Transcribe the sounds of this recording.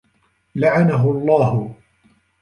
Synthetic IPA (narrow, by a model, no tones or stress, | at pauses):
laʕanaɦʊɑlˤːɑːhʊ